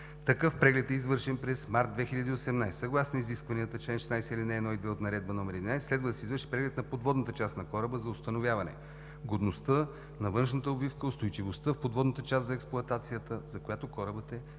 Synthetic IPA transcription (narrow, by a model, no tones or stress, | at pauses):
t̪ɐkɤfpɾɛɡlɛt̪ɛizvɤɾʃɛnpɾɛsmaɾt̪̚d̪vɛxilʲʎʲɐd̪iosɛmnajssɐɡlˠasnoiziskvɐniət̪ət͡ʃlɛnʃɛ̥snajsɛilʲinɛːd̪nɔid̪vɛot̪nɐɾɛd̪̚bənɔmɛɾɛd̪inajsslɛd̪vəd̪ɐsɛizvɤɾʃi̥pɾɛɡlɛt̪nɐpod̪vɔd̪nət̪ət͡ʃast̪nɐkɔɾəbəzɐʊst̪ɐnovjavɐnɛ̰ | ɡod̪nost̪ə | nɐvɤnʃnət̪əobifkəʊst̪ojt͡ʃivost̪əfpod̪vɔd̪nət̪ət͡ʃast̪zɐɛksplˠʊɐt̪at̪sijət̪əzɐkojat̪okɔɾəbət̪ɛ